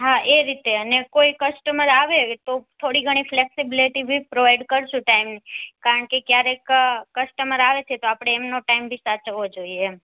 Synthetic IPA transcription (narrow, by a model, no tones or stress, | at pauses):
ɦaʔeɾit̪eənekoikəsʈəməɾaʋet̪ot̪ʰoɽiɡʱəɽ̃ifleksibiliʈibʱipɾoʋajɖkəɾʃũʈaimnikaɾəɳkekjaɾekkəsʈəməɾaʋet͡ʃʰet̪oapɽ̃eːmnoʈaimbʱisat͡ʃəʋod͡ʒoie